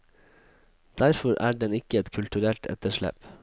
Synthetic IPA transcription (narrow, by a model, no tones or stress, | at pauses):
d̪̥æɾfɔɾʔæ̰ːɖɛnɪkəɛt̪kʰʉlt̪ʉɾɛlt̪ʰɛ̰t̪əʃɭɛ̰p